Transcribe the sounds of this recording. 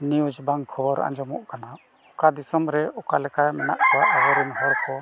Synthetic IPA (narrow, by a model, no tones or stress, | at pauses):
niud͡ʒbaŋkʰɔbɔɾã̰ɲd͡ʒɔmɔʔkana | ɔkad̪isɔmɾɛɔkalɛkamɛnaʔt͡ʃɔwaʔɔwɔɾinɦɔɽkɔ